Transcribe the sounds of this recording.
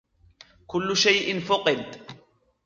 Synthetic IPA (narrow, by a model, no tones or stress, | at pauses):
kʊlːʊʃajʔɪnfʊqʼɪd̪